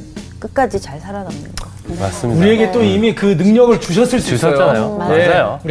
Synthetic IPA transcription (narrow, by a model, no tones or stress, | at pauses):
k͈ɯk͈ad͡ʑit͡ɕaɭsʰaɾanamnɯa | mas͈uɾie̞ɡe̞t͈oimikɯnɯŋɲʌɡɯɭt͡ɕuɕʰʌs͈ɯɭs͈iʌaajomeaajo